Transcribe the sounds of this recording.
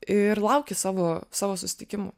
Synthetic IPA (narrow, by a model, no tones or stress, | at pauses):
ɪɾlˠɐʊkʲesɑːʋoːsɑːʋoːsʊsʲɪ̥t̪ʲɪkʲɪmʊ̰